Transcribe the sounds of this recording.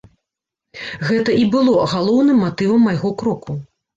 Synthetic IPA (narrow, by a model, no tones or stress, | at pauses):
ɣɛt̪ɐʔibɨlˠɔɣalˠɔwnɨmːat̪ɨvɐmːajɣɔkɾɔku